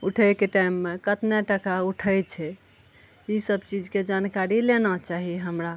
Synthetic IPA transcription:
uʈʰəjkeʈaimːekət̪naʈəkauʈʰəjt͡ʃʰɛ | isəbt͡ʃid͡ʒked͡ʒankaɾilenat͡ʃaɦiɦəmɾa

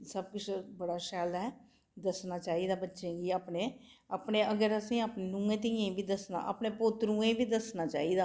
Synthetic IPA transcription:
səb̚kʊt͡ʃʰbəɽaːʃɛːlɛː | d̪əsnaːt͡ʃaːiːd̪aːbətːʃẽːɡiːaːpneː | aːpneːəɡəɾəsĩːaːpneːnũːẽːt̪̬iẽbiːd̪əsna̰ːʔə̰ːpneːpʊt̪ɾũːẽːbiːd̪əsnaːt͡ʃa̰ːiːd̪aː

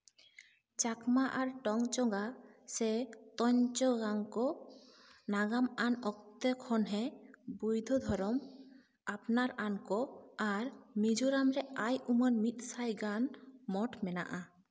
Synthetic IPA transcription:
t͡ʃakmaʔaɾʈɔŋt͡ʃɔŋɡasɛt̪ɔɲt͡ʃɔɡaŋkɔ | naɡamanɔk̚t̪ɛkʰɔnɦɛbujd̪ʱɔd̪ʱɔɾɔm | apnaɾankɔaɾmid͡ʒuɾamɾɛajumɔnmit̪̚ˀsajɡanmɔʈmɛna̰ʔa

